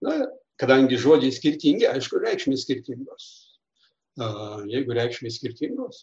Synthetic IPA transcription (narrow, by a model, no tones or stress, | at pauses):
nʊ | kɐd̪ɐŋʲɡʲɪʒuɔd͡ʒʲɛɪsʲkʲɪɾʲt̪ʲiŋʲɡʲɪɐɪʃkʊɾʲɛɪkʃʲmʲeːsʲkʲɪɾʲt̪ʲɪŋɡoːs | jɛɪɡʊɾʲɛɪkʃʲmʲeːsʲkʲɪɾʲt̪ʲɪŋɡoːs